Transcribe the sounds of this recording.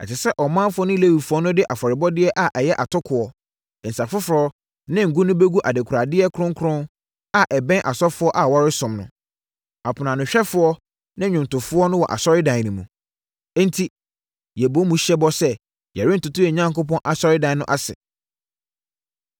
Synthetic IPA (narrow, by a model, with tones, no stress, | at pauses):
ɛ̰˨tɪ˨sɛ˦ʔɔ˨mã˦fʊ˦ɔ˦nʊ̃˦le˦wi˨fʊ˦ɔ˦nʊ̃˦dɪ˦ʔa˨fɔ˨ɾɪ˨bɔ˦dɪ˦ɛ˦ʔa˨ʔɛ˨jɛ˦ʔa˨tʰʊ˦kʰʊ˨ɔ˨ | n̩˨sa˨fʊ˦fʊ˨ɾɔ˦ | nɪ̃˦ŋ̩˨ɡu˦nʊ̃˦be˦ɡu˦ʔa˨de˨kʰɾa˨dɪ˦ɛ˦kʰɾʊ̃˦ŋ˦kʰɾʊ̃˦n | a˨ʔɛ˨bɛ̃˦ʔa˨sɔ˦fʊ˦ɔ˦ʔa˨wɔ˦ɾɪ˦sʊ̃˨mnʊ̰̃˨ | a˨pʰʊ˨nã˨nʊ̃˨ɕᶣɛ˦fʊ˦ɔ˦ | nɪ̃˦ɲᶣʊ̃˨n˨tʊ˨fʊ˦ɔ˦nʊ̃˦wɔ̰˨ʔa̰˨sɔ˦ɾɪ˦dã˨nĩ˨mũ˨˦ | n̩˦tʰi˦ | jɛ˨bo˦mũ˨˦ɕɛ˦bɔ˦sɛ˦ | jɛ̰˨ɾɪ˦n˨tʊ˨tʊ˦ɛ˨ɲã˦ŋko˦pɔ̃˦nʔa˨sɔ˦ɾɪ˦dã˨nnʊ̃˦ʔa˦sɪ̰˨